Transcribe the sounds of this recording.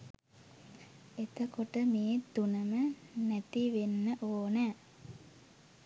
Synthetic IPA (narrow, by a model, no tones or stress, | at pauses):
et̪əkoʈəmeːt̪unəmənæt̪iʋenːəʔoːnæː